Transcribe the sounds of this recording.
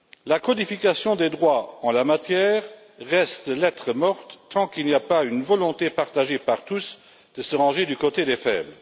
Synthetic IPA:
lakɔd̪ifikasjɔ̃d̪ed̪ʁwaɑ̃lamat̪jɛːʁ | ʁɛst̪lɛt̪χəmɔʁt̪ːɑ̃kilniapaynvɔlɔ̃t̪epaʁt̪aʒepaʁt̪us | d̪̥əsəʁɑ̃ʒed̪ykot̪ed̪efɛ̰blə

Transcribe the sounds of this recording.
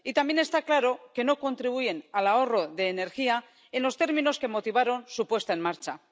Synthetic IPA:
it̪ambje̞ne̞st̪aklaɾo̞ke̞no̞ko̞nt̪ɾiβ̞uje̞nalao̞ro̞ðe̞ːne̞ɾxia | e̞nlo̞st̪e̞ɾmĩno̞ske̞mo̞t̪iβ̞aɾo̞nsupwe̞st̪ae̞nmaɾt͡ʃa

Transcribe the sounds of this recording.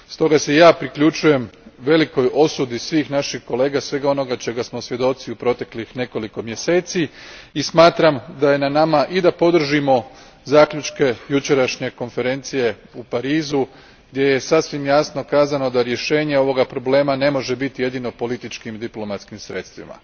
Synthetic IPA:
st̪o̞ɡase̞jaːpɾikʎut͡ʃuje̞mʋe̞liko̞jʔo̞sud̪isʋiːxnaʃixko̞le̞ːɡasʋe̞ɡao̞no̞ɡat͡ʃe̞ɡasmosʋje̞d̪o̞t̪siupɾo̞t̪e̞klixne̞ko̞liko̞mje̞se̞ːt̪siismaːt̪ɾamd̪aje̞nanamaʔid̪apo̞d̪r̩ʒimo̞ | zaːkʎʲut͡ʃke̞jut͡ʃe̞ɾaʃɲe̞ko̞nfe̞ɾe̞nt̪sije̞upaɾiːzu | ɡd̪je̞je̞sasʋimjasno̞kaːzano̞d̪aɾje̞ʃe̞ːɲe̞o̞ʋo̞ɡapɾo̞ble̞ːmane̞mo̞ʒe̞bit̪ije̞d̪ino̞po̞lit̪it͡ʃkimd̪iplo̞mat̪skimsɾe̞t̪st̪ʋḭma̰

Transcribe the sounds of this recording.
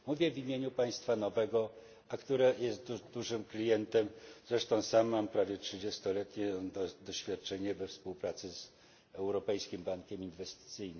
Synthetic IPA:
muvʲjɛvʲimʲjeɲupaj̃st̪fanɔvɛɡɔ | akt̪uɾɛjɛst̪d̪uʐɘmklʲijɛnt̪ɛmzɾɛʂt̪ɔ̃w̃samːampɾavʲjɛtʂɘd͡ʑest̪ɔlɛt̪ɲɛd̪ɔɕfʲjat̪̚t͡ʂɛɲɛvɛfspuwpɾat̪sɘz | ɛwɾɔpɛjskʲimbaŋkʲɛminvɛst̪ɘ̥t̪sɘjnɘm

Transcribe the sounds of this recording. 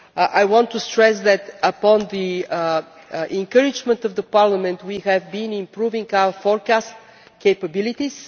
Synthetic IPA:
ʔajwɔ̃nt̪ːust̪ɹɛsd̪ɛt̪əpɔ̃nd̪i | ʔɛ̃ŋkəɾɪd͡ʒmə̃nt̪ɔvðəpaɾləmɛ̃nt̪wiɦɛvbĩnɪ̃mpɾuvɪ̃ŋɡaʊwəfɔɹkast | keɪpəbɪlit̪is

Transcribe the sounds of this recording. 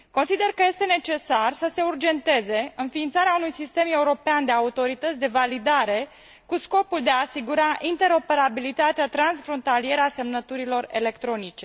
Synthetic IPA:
konsid̪e̞rkəje̞st̪e̞ne̞t͡ʃe̞sarsəse̞urd͡ʒe̞nt̪e̞ze̞ɨnfiːnt̪saɾeaunujsist̪e̞me̞uɾo̞peand̪e̞aut̪o̞ɾit̪ət̪sʲd̪e̞valid̪aɾe̞ | kusko̞puld̪e̞aːsiɡuɾaʔint̪e̞ɾo̞pe̞ɾabilit̪at̪eat̪ɾansfɾo̞nt̪alije̞ɾəase̞mnət̪uɾilo̞re̞̰le̞kt̪ɾo̞nit͡ʃe̞

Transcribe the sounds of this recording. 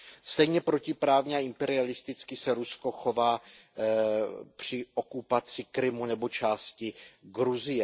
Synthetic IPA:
st̪ɛjɲɛpɾo̞cɪpɾaːvɲɛaɪmpɛɾɪalɪst̪ɪt͡skɪsɛɾusko̞xo̞vaː | pr̝̥ɪʔo̞kupat͡sɪkɾɪmunɛbo̞t͡ʃaːscɪɡɾuzɪjɛ

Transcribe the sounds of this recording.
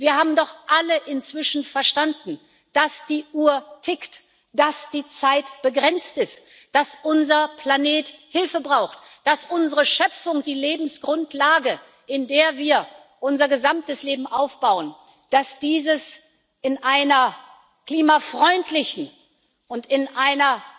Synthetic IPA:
viːɐhaːbm̩dɔχʔaləʔɪnt͡sv̥ɪʃn̩fɛɐʃtandn̩ | d̥asd̥iːʔuːɐtʰɪkt | d̥asd̥iːt͡saɪtb̥əɡʁɛnt͡stɪst | d̥asʔʊnzɐpʰl̥aneːthɪlfəbʁaʊxt | d̥asʔʊnzəʁəʃœp͡fʊŋd̥iːleːbm̩sɡ̥ʁʊntlaːɡə | ʔɪndeːɐviːɐ | ʔʊnzɐɡəzamtəsleːbm̩ʔaʊfb̥aʊən | d̥asd̥iːzəs | ʔɪnʔaɪnɐ | kl̥iːmafʁ̥ɔʏntʰlɪçn̩ | ʔʊntɪnʔaɪnɐ

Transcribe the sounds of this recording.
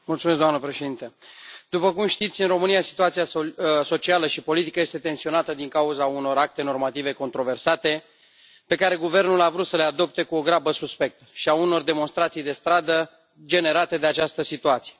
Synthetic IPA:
mult̪sumes̬ɡd̪oamnəpɾeʃe̞d̪int̪əd̪upəkumʃt̪it̪sʲɨnro̞mɨnijasi̥t̪uat̪siaso̞t͡ʃialəʃipo̞lit̪ikəje̞st̪e̞t̪e̞nsio̞nat̪əd̪iŋkauzauno̞ɾak̚t̪e̞no̞rmat̪ive̞ko̞nt̪ɾo̞ve̞rsat̪e̞ | pe̞kaɾe̞ɡuve̞rnulavɾut̪səlead̪o̞p̚t̪e̞kuo̞ɡɾabəsuspe̞k̚t̪ʃiauno̞rd̪e̞mo̞nst̪ɾat̪sijd̪e̞st̪ɾad̪ə | d͡ʒe̞ne̞ɾat̪e̞d̪e̞at͡ʃast̪əsit̪uat̪sije

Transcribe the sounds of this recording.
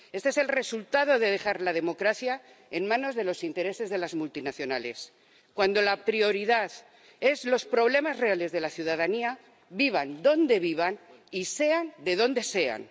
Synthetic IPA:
e̞st̪ee̞selre̞sult̪aðo̞ðe̞ðe̞xaɾlað̞e̞mo̞kɾaθja | enmãno̞zðe̞lo̞sint̪eɾe̞se̞zðe̞lazmult̪inaθjo̞nale̞s | kwand̪o̞lapɾio̞ɾiðaθ | e̞zlo̞spɾo̞βle̞mazre̞ale̞zðe̞laθjuðaðania | βiβ̞and̪o̞nd̪e̞β̞iβ̞an | ise̞and̪e̞ðo̞nd̪e̞se̞a̰n

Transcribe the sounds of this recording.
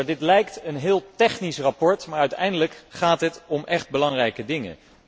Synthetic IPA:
dɪtlɛjktənɦɪːlˠtɛχnisrapɔɹtmaːɹœɥtɛjndələkχaːtɦətɔmʔɛχd̚bəlɑŋrɛjkədɪŋə̰

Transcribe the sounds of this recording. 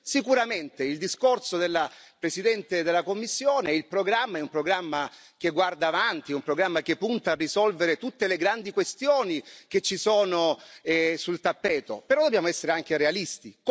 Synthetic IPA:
sikuɾament̪eild̪iskorsod̪elːapɾesid̪ɛnt̪ed̪elːakomːisːjoːneilpɾoɡɾamːaɛumpɾoɡɾamːa | k̟eɡward̪aːvant̪iɛumpɾoɡɾamːak̟epːunt̪aːrːizɔlveɾet̪ut̪ːeleɡɾand̪ikwest̪joːnik̟et͡ʃːisoːnoɛsult̪apːɛːt̪o̰peɾɔd̪objaːmoɛsːeɾeaŋk̟eɾealist̪i

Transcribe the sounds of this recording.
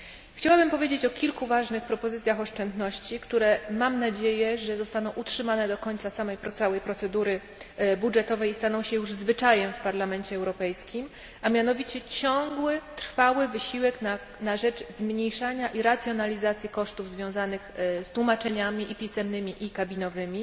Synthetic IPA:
xt͡ɕawabɘmpɔvʲjed͡ʑet͡ɕɔkʲilkuvaʐnɘxpɾɔpɔzɘt̪sʲjaxɔʂt͡ʂɛnd̪nɔɕt͡ɕikt̪uɾɛmamnad͡ʑejɛʐɛzɔst̪anɔ̃w̃utʂɘmanɛd̪ɔkɔɲt̪sasamɛjpɾɔt̪sawɛjpɾɔt̪sɛd̪uɾɘ | budʐɛt̪ɔvɛjist̪anɔ̃w̃ɕɛjuʐzvɘt͡ʂajɛmfpaɾlamɛnt͡ɕɛɛwɾɔpɛjskʲim | amʲjanɔvʲit͡ɕɛt͡ɕɔ̃ŋɡwɘt̪ɾfawɘvɘɕiwɛkna | naʐɛt͡ʂzmɲejʂaɲaʔiɾat̪sʲjɔnalʲizat̪sʲjikɔʂt̪uvzvʲjɔ̃w̃zanɘxst̪wumat͡ʂɛɲamʲiʔipʲisɛmnɘmʲiʔikabʲinɔvɘmʲi

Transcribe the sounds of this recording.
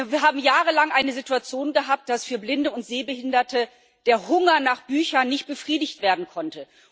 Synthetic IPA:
viːɐɦaːbm̩jaːʁəlaŋʔaɪnəzɪtuat͡sjoːnɡəɦaːp̚t̚d̥asfyːɐblɪndəʊntz̥eːbəhɪndɐtʰə | d̥eːɐhʊŋɐnaːχb̥yːçɐnɪçt̚b̥əfʁ̥iːdɪçtv̥eːɐdn̩kʰɔntə

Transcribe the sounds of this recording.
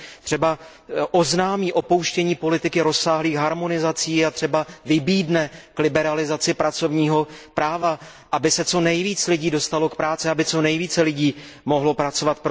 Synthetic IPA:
t̪r̝̥ɛba | ʔoznaːmiːʔo̞po̞wʃcɛɲiːpo̞lɪt̪ɪkɪɾo̞sːaːɦliːxɦaɾmo̞nɪzat͡siːat̪r̝̥ɛbavɪbiːdnɛklɪbɛɾalɪzat͡sɪpɾat͡so̞vɲiːɦo̞pɾaːva | ʔabɪsɛt͡so̞nɛjviːt͡slɪɟiːdo̞st̪alo̞kpɾaːt͡sɪabɪt͡so̞nɛjviːt͡sɛlɪɟiːmo̞ɦlo̞pɾat͡so̞vat̪̚p

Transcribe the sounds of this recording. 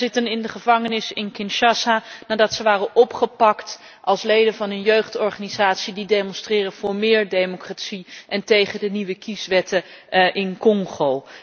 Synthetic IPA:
ɪtənɪndəχəvɑŋənɪsɪnkɪnʃɑsanaːdɑtsəʋaːrənɔpχəpɑkt | ʔɑlˠslejdənvɑnənjøɥχtɔɹχanizaːtsididejmɔnstrɪːrəv̥ʊːɹmɪːɹdejmokratsiʔɛntejχədəniʋəkisʋɛtə | ʔɪnkɔŋχow

